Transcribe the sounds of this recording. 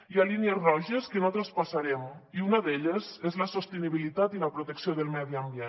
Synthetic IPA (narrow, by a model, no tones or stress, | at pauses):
ialinjezrɔʒəskənot̪ɾəspasaɾemiunəðeʎəzezləsost̪eniβ̞ilit̪at̪iləpɾot̪eksioðelˠmɛðiambje